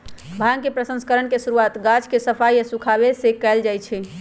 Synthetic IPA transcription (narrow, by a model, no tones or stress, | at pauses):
bʱaŋkepɾəsə̃nskəɾənkesuɾuat̪ɡad͡ʒkesəpʰajəsukʰabesekɛld͡ʒajt͡ʃʰɛ